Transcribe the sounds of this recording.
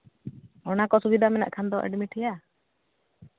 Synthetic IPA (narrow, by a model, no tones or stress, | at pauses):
ɔnakɔsubid̪ʱamɛna̰ʔkʰand̪ɔʔɛ̰ɖmiʈɛja